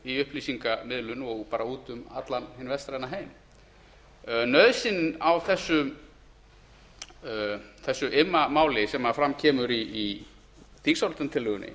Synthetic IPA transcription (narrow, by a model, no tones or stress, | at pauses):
iʏhpliːsiŋkamɪðlʏnɔɣpaːɾauːt̪ʏma̰t̪lanhɪnːvɛst̪ɾajnaɦeːjm | nœɥðsɪnnawθɛsːʏ | θɛsːʏʔɪmːamaːwlɪsɛmafɾamcʰɛːmʏɾiː | θiksawɾt̪ant̪ʰɪlːʏɣʏnːɪ̰